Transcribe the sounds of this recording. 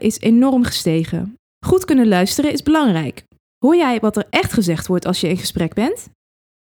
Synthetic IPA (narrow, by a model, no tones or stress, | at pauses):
ʔɪsenɔrmχə̥stejχə̰ | χutkɵnəlœɥstərəɪzbəlɑŋrɛjk | ɦʊːɹjɛjʋɑtəɹɛχtχəzɛχtʋɔɹtɑlˠsjəɪnχəsprɛɡ̚bɛnt